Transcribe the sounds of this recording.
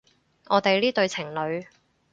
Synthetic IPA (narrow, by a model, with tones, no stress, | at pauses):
ɔː˨˧t̪e˨jliː˥t̪ɵ˧ɥt͡sʰɪ˨˩ŋlɵ˨˧ɥ